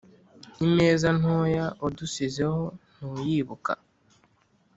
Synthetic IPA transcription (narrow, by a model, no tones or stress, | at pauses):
imezanɔjaʔɔdusezeɔɦɔn̥ɔjiːbʊka̰